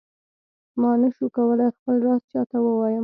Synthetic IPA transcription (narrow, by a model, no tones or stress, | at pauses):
mɑnaʃukawəlajxpəlɾɑst͡ʃɑt̪awəwɑjə